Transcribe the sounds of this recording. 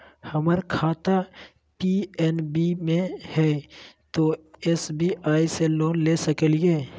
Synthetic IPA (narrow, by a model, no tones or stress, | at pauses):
həməɾkʰaːt̪a | piɛnbimẽhɛːt̪oesbiʔaːiseloːnlesəkəlijeː